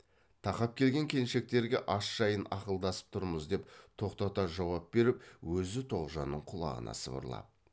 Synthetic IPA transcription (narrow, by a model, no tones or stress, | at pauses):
t̪ʰɑqɑp̚kʲʰe̞lɡʲe̞ŋkʲʰe̞nʃe̞k̚t̪e̞ɾɡʲe̞ʔɑsʒ̥ɑjənɑqəlˠd̪ɑsə̥p̚t̪ʰʊɾməzd̪e̞pt̪ʰo̞qt̪ɑt̪ɑʒɑwɑp̚be̞ɾɪpwɵzɪt̪ʰo̞ʁʒɑnːəɴqʰʊlˠɑ̰ʁə̰nɑ̰sə̰bə̰ɾlˠɑ̰